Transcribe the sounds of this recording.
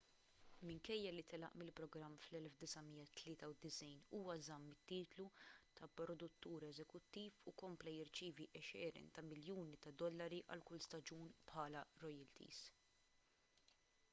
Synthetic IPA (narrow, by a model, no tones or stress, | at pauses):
mɪŋkɛjːɐlit̪ɛlɐ̰ʔmɪlpɾɔɡɾɐmːflɛlfd̪ɪsɐmiːjːɐt̪lɪːt̪ɐwd̪ɪsɛjnuːwɐzɐmːɪt̪ːiːt̪lut̪ʰɐpɾɔd̪ʊt̪ːuːɾɛzɛkʊt̪ːiːfukɔmplɐjɪɾt͡ʃiːviʔɛʃɛːɾɛ̰nt̪ɐmɪljuːnit̪ɐd̪ɔlːɐɾiʔɐ̰lkʊlst̪ɐd͡ʒuːnpħɐːlɐɾɔjɛlt̪ḭːz̥